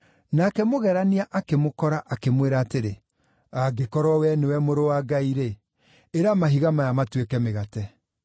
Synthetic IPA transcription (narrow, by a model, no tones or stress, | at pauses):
nakɛmoɣɛɾaniaʔakemokɔɾaʔakemweɾaːteɾe | aɡekɔɾɔwɛnewɛmoɾowaɡaiɾeː | ɾamaɦiɣamajamatwekɛmeɣatɛ